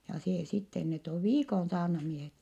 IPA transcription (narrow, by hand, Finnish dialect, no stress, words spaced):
jɑ seː sitːen net oʋ ʋiːkon sɑːrnɑmiehet